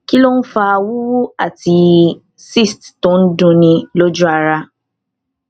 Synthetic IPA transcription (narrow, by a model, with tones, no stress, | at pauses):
ki˦lo˦n̩˦fa˦˧wu˦wu˦a˨ti˧ | si˦˨stto˦n̩˦dũ˧nĩ˧lo˦d͡ʒu˦a˧ɾa˧